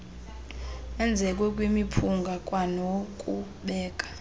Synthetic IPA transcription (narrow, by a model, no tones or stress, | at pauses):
ɛnd͡zʱɛkʼwɛkʼwimipʰuŋɡʱakʼwanokʼu | ɓɛːkʼḁ